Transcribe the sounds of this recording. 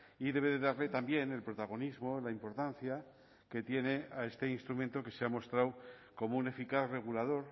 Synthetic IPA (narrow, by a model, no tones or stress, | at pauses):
iðe̞βe̞ðe̞ðaɾle̞t̪ambje̞ne̞lpɾo̞t̪aɣ̞o̞nizmo̞laimpo̞ɾt̪an̟θja | ke̞t̪je̞ne̞ae̞st̪e̞inst̪ɾumẽ̞nt̪o̞ke̞seamo̞st̪ɾawko̞moune̞fikaθre̞ɣ̞ulað̞o̞ɾ